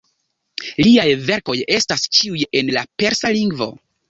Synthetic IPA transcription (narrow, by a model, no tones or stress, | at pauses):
liajve̞ɾko̞je̞stast͡ʃiuje̞nlape̞ɾsaliŋɡvo̞̰